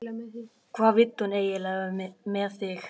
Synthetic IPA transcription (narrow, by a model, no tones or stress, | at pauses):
kʰvaːðvɪt̪ːhuneːjɪlaːɣʏmɛmɛðθɪx